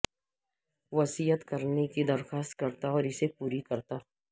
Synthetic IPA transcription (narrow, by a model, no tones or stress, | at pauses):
ʋɐsiːjət̪kɐɾnekid̪ɐɾxaːst̪̚kɐɾt̪aɔːɾɪsepuːɾikɐɾt̪aː